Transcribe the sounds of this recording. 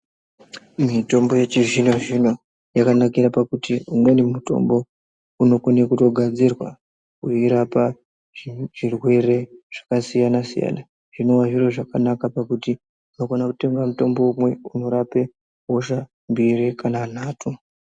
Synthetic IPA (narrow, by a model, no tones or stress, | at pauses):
mito̞mbo̞jet͡ʃiʐino̞ʐino̞ | jakanakiɾapakutiumwe̞nemuto̞̰mbo̞ | uno̞konekuto̞ɡʱad͡zirwa̰ | kuiɾapa | ʐirwe̞re̞ʐ̥akasijanasḭja̰na | ʐ̥ino̞waʐiro̞ʐakanakapakuti | uno̞ɡonakute̞ŋɡamuto̞mbo̞umwe̞uno̞ɾape̞ | ɦoʃa | mbirikʰanan̤aːtʰu